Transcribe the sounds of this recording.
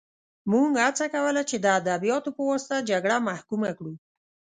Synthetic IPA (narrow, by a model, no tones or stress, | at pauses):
muŋɡhat͡sakawəlat͡ʃed̪əad̪abijɑt̪opəwɑst̪ad͡ʒaɡɽamahkumakɽu